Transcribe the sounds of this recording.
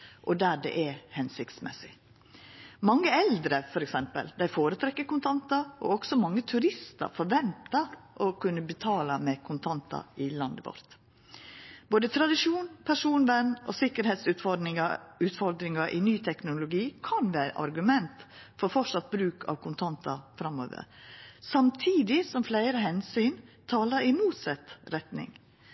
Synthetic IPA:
ʔɔd̪æːɖɛ̰ʔɛhɛnsɪkt̪smɛ̰sɪ | mɑŋːəɛld̪ɾəfɔɾɛksɛmpə̰ld̪æɪfoːɾət̪ʰɾɛkːəɾkʊnt̪ʰɑnt̪ɑʔɔ̰ɔɡ̥sɔmɑŋːət̪ʰʉɾɪst̪ə̰ɾfɔɾʋɛnt̪ɑʔɔkʰʉnːəbət̪ʰɑːlɑmɛkʰʊnt̪ʰɑnt̪ɑ̰ɪlɑnd̪ɪʋɔ̰ɾt̪ | boːd̪ət̪ʰɾɑd̪ɪʂuːnpʰæʂuːnʋɛnːɔsɪkəɾheːt̪sʉt̪fɔɪʉt̪fɔɾd̪ɾɪŋɑʔɪ̰nyːt̪ʰɛknʊlʊɡiːkʰɑnʋæːɾə̰ʔɑ̰ɾɡʉmɛnt̪fɔɾfɔʂɑt̪̚bɾʉːkʰɑ̰ʋkʰʊnt̪ʰɑnt̪ɑfɾɑmo̰ːʋə̰ɾsɑmt̪ʰiːd̪ɪsɔmflæɪɾəɦɛnsyːnt̪ʰɑːləɾɪmuːt̪sɛt̪ɾɛt̪nɪ̰ŋ

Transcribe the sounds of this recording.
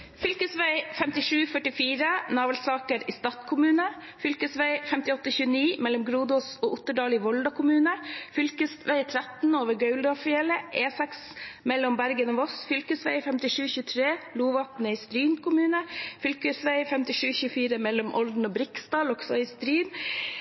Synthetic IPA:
fʏlkəsʋæɪfɛmt̪ɪʂʉːfœʈɪfiːɾənɑːʋəlsɑːkəɾiːst̪ɑt̪kʰʊmʉːnə | fʏlkəsʋæɪfɛmt̪ɪɔt̪ːəçʉːəniːmɛlːɔmɡɾuːd̪ɔsoːʔʊt̪ːəɖɑːlɪːʋɔld̪ɑkʰʊmʉːnəfʏlkəsʋæɪt̪ʰɾæt̪noːʋəɾɡœʉld̪ɑfɪɛləʔeːsɛksmɛlːɔmbæɾɡənoːʋɔsfʏlkəsʋæɪfɛmt̪ɪʂʉːçʉːət̪ʰɾeːluːʋɑpnəiːst̪ɾyːnkʰʊmʉːnəfʏlkəsʋæɪfɛmt̪ɪʂʉːçʉːəfiːɾəmɛlːɔmʔɔld̪n̩oːbɾɪkst̪ɑːlɔɡsɔɪst̪ɾyːn

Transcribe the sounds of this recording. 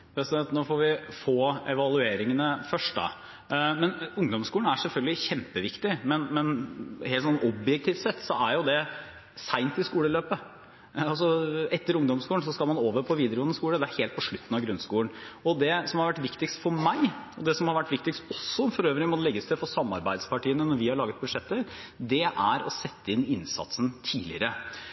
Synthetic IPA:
bɛsɛt̪noːfɔɾʋɪfoːɛʋɑlˠʉeːɾɪŋənəfœʂʈd̪ɑ̰ | mɛnʊŋd̪ɔmskuːlɳ̩æɾʂɛlfœlɡəlɪçɛmpəʋɪkt̪ɪmɛnmɛnheːlt̪sɔnːɔbjɛk̚t̪ʰiːft̪sɛt̪ːsɔæɾjʊd̪ɛ | sæɪnt̪ɪskuːləløːpə | ɑls̬ɔɛt̪ːəɾʊŋd̪ɔmskuːəns̬ɔskɑlmɑnoːʋəɾpʰɔʋiːd̪əɾɡɔːnːəskuːləd̪ɛæɾheːlt̪pɔʂɭʉt̪ːn̩ɑʋɡɾʉnːskuːəɳɔd̪ɛsɔmhɑɾʋæʈːʋɪkt̪ɪkst̪fɔɾmæɪɔd̪ɛsɔmhɑɾʋæʈːʋɪk̚t̪ɪkst̪ɔsːɔfɔɾøːʋɾɪŋmɔlɛɡːəsɛfɔsɑmːɑ̰ɾbæɪd̪spɑʈiːənənɔɾʋɪhɑɭɑːɡət̪̚bʉʂɛt̪ːəɾd̪ɛʔæɾɔsɛt̪ːəɪnɪnsɑ̰t̪sən̩t̪ʰiːlɪ̰əɾə

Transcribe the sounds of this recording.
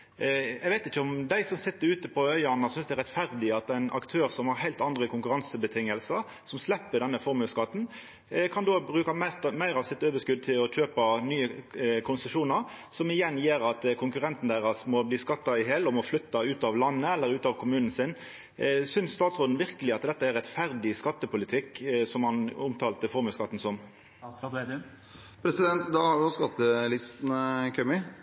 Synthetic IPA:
ɛɡʋæɪt̪ɪçəɔmd̪æɪsɔmsɪt̪ːəɾʉːt̪əpʰɔœʏɑnɑsʏnsd̪æɾʁɛt̪fæɾd̪ɪɑt̪ːæɪnʔɑ̰kt̪ʰøːɾsɔmhɑɾhæɪlt̪ɑnd̪ʁəkʰʊŋkʉɾɑnsəbət̪ʰɪŋːəlsəɾ | sɔmslɛpːəd̪ɛnːəfɔɾmʉskɑt̪ːn̩ | kʰɑnd̪oːbɾʉːkɑmæʁt̪mæɪɾɑʋsɪt̪ːøːʋəʂkʉd̪̚t̪ʰɪlɔc͡çøːpənyːəkʰʊnsəʂuːnəɾ | sɔmɪjɛnːjeːɾɑt̪kʰʊŋkʉʁɛnt̪n̩d̪æɪʁɑsmɔbliːskɑt̪ːɑɪɦelːɔmɔflʉt̪ːɑʉːt̪ɑʋlɑnːəɛlːəɾʉːt̪ɑʋkʰʊmʉːnən̩sɪn | sʏnsst̪ɑːt̪sʁoːd̪n̩ʋɪʁkəlɪɑt̪d̪ɛt̪ːəæɾʁɛt̪fæɾd̪ɪskɑt̪ːəpʰʊlɪt̪ʰɪkːsɔmhɑnʊmt̪ʰɑːlt̪əfɔɾmʉskɑt̪ːn̩sɔm | pʰɾɛsɪd̪ɛnt̪d̪ɑhɑɾɪɔskɑt̪ːəlɪst̪nkʰœmɪ

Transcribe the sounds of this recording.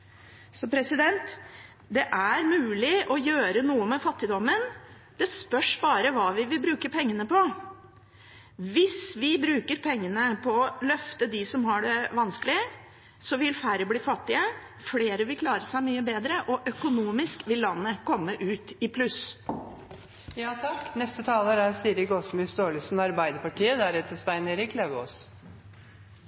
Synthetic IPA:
sɔpʰɾɛsɪd̪ɛnt̪ | d̪ɛʔæɾmʉːlɪʔɔjøːɾənuːəmɛfɑt̪ːɪd̪ɔmən | d̪̥ɛspœʂbɑːɾəʋɑːʋɪʋɪbɾʉːkəɾpʰɛŋːənəpʰɔ | ʋɪsʋɪbɾʉːkəɾpʰɛŋːənəpʰɔɔlœft̪əd̪ɪsɔmhɑɖɛʋɑnskəlɪə | sɔʋɪlfæɾəbliːfɑt̪ːɪə | fleːɾəʋɪlkʰlɑːɾəsæɪmyːəbeːd̪ɾəʔɔʔœkʊnuːmɪskʋɪlːɑnːəkʰɔmːəʔʉːt̪ɪpʰlʉs | jɑːt̪ʰɑkːnɛst̪ət̪ʰɑːləɾæsiːɾɪkɔsmʏsd̪oːɭɪsnɑɾbæɪd̪əɾpɑʈʰiːəd̪æɾɛt̪ːst̪æɪneɾɪkʰleʋəɔs

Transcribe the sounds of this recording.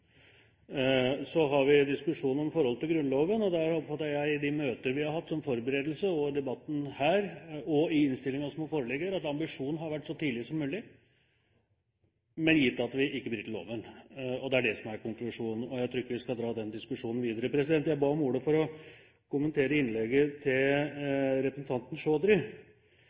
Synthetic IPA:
sɔɦɑɾʋɪd̪ɪskʉʂuːnɔmfɔɾhɔlːət̪ɪlɡɾʉnloːʋənɔd̪æɾɔpːfɑt̪ːəɾjæɪd̪ɪmøːt̪əəʋɪhɑɾɦɑft̪ːsɔmfɔɾbəɾeːd̪l̩səɔd̪ɛbɑt̪ːn̩hæːɾɔɪɪnst̪ɪlːɪŋɑɔsmoːfoːɾəlɛɡəɾɑt̪ɑmbɪʂuːnn̩ɦɑɾʋæʈːsɔt̪ʰiːlɪsɔmːʉːlɪ | mɛnjɪt̪ːɑt̪ʋɪʔɪkːəbliːt̪ʰɪlo̰ːʋənɔd̪ɛæɖɛsɔmæɾkʊŋklʉʂuːnn̩ɔjæɪt̪ɾuːɪkːəʋɪskɑld̪ɾɑːd̪ɛnd̪ɪskʉʂuːnn̩ʋiːd̪əɾəpʰɾɛsɪd̪ɛnt̪jæɪbɑːɔmuːɖ̪əfɔɾɔ | kʊmənt̪ʰeːɾəɪnlɛɡːət̪ʰɪl | ɾɛpɾəsn̩t̪ʰɑnt̪n̩ʂoːd̪ɾɪ

